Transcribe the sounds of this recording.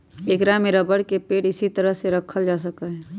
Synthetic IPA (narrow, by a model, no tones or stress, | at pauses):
eːkɾameɾəbəɽkepeːʈɪsit̪əɾəɦseɾəkʰəld͡ʒas̬əkəɦ